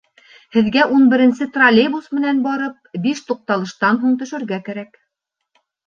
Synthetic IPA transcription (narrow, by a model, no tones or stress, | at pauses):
hɘ̆ðɡæʔunbɘ̆ɾɘ̆nsɘt̪rɐlʲebusmɘ̆nænbɑɾɤp̚biʃt̪uq̚t̪ɑlˠɤ̆ʃt̪ɑnɦuɴt̪ɵ̆ʃɘ̆ɾɡækæɾæk